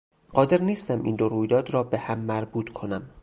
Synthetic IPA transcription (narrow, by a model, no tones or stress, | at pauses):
ɢ̥ɒːd̪e̞ɾniːst̪æmʔḭːnd̪oɾuːjd̪ɒːd̪ɾɒːbe̞hæmːæɾbuːt̪ʰkʰonæm